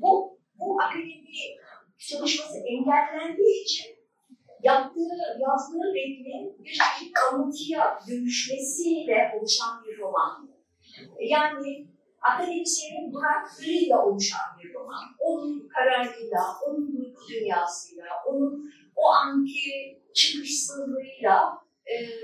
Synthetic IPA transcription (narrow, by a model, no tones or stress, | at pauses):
bu | buʔakeninbi | solˠuʃmasɯʔɛɲɟælʲːænd̪iːit͡ʃʰin | jap̚t̪ʰɯɯjazd̪ɯɯbɛkninbiɾt͡ʃikʰalɯnt̪ʰɯjad̪ømyʃmesilɛʔo̞lˠuʃanbiɾɾo̞man | jaːnɪ | akʰanit͡ʃseɾibunakt̪ɾɯjlʲɛʔolˠuʃa̰nbiɾɾo̞ma̰no̞nunkʰøɾæɾlijlˠaʔonunbujkʰud̪ynjaːsɯjlˠaʔonun | oʔaŋkʰɯ | t͡ʃʰɯkɯʃsɯnlˠɯɾɯjlˠaː